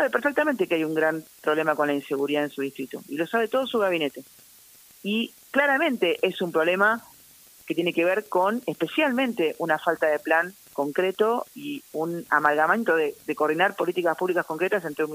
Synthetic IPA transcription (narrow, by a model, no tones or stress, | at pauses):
saβepeɾfek̚t̪ament̪e̞keajuŋɡɾampɾo̞βle̞mako̞nlainseɣuɾiðaensuðiht̪ɾit̪o̰ilo̞saβe̞t̪o̞ð̞o̞suɣaβine̞t̪e̞ | i | klaɾamẽ̞nt̪e̞ʔesumpɾole̞ma | ket̪jeneke̞β̞eɾko̞nespe̞sjalmẽ̞nt̪eʔunafalt̪aðeplaŋ | ko̞ŋkɾet̪o̞iuna̰malɣamant̪oðeðekoɾðinaɾpo̞lit̪ikaspuβlikasko̞ŋkɾet̪as̬ent̪ɾeum